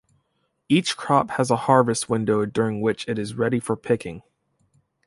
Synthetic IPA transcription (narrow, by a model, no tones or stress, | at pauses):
it͡ʃkʰɹ̥ɑphəzəhɑɹvɨst̚wɪ̃ndoʊdʊɹɪ̃ŋwɪt͡ʃɨɾɨzɹɛɾifə˞pʰɪkʰɪ̃ŋ